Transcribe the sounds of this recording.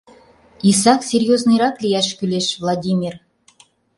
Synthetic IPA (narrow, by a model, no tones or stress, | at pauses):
is̬ɑksʲerʲjoznɨjɾɑklʲijɑʃkʲylʲeʃvlˠɑdʲimʲir